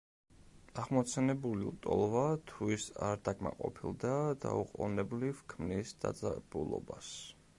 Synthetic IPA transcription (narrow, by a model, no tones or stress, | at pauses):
aʁmɔt̪sʰɛnɛbuliut̪ʼɔlˠvat̪ʰuisaɾd̪akʰʼmaqʼɔpʰilˠd̪ad̪auqʼɔ̰nɛblivkʰmnisd̪a̰d̪zʼab̥ulˠɔ̰bas